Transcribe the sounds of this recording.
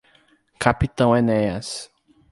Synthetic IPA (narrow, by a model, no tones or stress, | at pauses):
kapit̪ɐ̃w̃ɛnɛɐs